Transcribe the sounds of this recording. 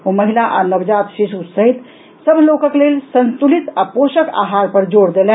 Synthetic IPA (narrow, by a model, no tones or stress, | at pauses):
oməɦilaʔanəbd͡ʒat̪ʃisusəɦit̪ | səbʱlokəklelsə̃nt̪ulit̪aposəka̰ɦaɾpəɾd͡ʒoɽd̪elɛ̃